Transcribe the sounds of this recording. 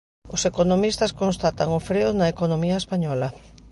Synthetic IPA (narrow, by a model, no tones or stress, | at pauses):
ʊsekonomist̪ɐskonst̪at̪aŋofɾeʊnɐekonomiɐespaɲɔlɐ